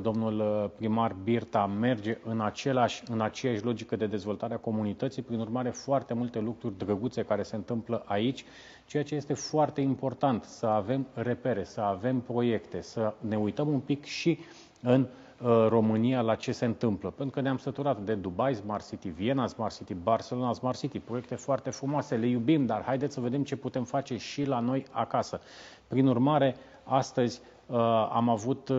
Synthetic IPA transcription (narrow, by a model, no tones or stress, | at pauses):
d̪o̞mnulpɾimarbirt̪ame̞rd͡ʒe̞ʔɨnat͡ʃe̞laʃʲɨnat͡ʃe̞jaʃʲlo̞d͡ʒikəd̪e̞d̪e̞zvo̞lt̪aɾeako̞munit̪ət̪sijpɾinurmaɾe̞foart̪e̞mult̪e̞lukɾurʲd̪ɾəɡut̪se̞kaɾe̞se̞nt̪ɨmpləʔait͡ʃʲ | t͡ʃe̞jat͡ʃe̞je̞st̪e̞foart̪e̞impo̞rt̪ant̪səave̞mre̞pe̞ɾe̞səave̞mpɾo̞je̞kt̪e̞səne̞ujt̪əmumpikʃi | ɨn | ro̞mɨnialat͡ʃe̞se̞ɨnt̪ɨmpləpet̪ɾukəneamsət̪uɾat̪d̪e̞d̪ubajsmarsit̪ivie̞nasmarsit̪ibarse̞lo̞nasmarsit̪ipɾo̞je̞k̚t̪e̞foart̪e̞fɾumoase̞le̞jubimd̪arhajd̪et̪ssəve̞d̪e̞mt͡ʃe̞put̪e̞mfat͡ʃe̞ʃilano̞ja̰kasə | pɾinurmaɾe̞ | ast̪əzʲ | a̰mavut̪